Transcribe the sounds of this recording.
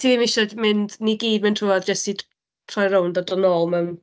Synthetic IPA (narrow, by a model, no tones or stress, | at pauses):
tʰiːðiːmɪʃɔmɪndniɡiːd̚mɪntʰruaðd͡ʒəstʰi | tʰrɔjɾowndɔdənɔlˠmɛm